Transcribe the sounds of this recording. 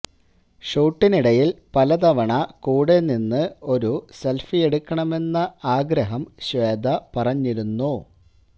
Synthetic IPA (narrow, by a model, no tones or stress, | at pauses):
ʂuːʈːiniɽɐjilpɐlɐd̪ɐʋɐɳɐkuːɽe̞ninːɨo̞ɾuse̞lfije̞ɽukːɐɳɐme̞nːɐaːɡɾɐɦɐmɕʋeːd̪ʱɐpɐrɐɲːiɾunːu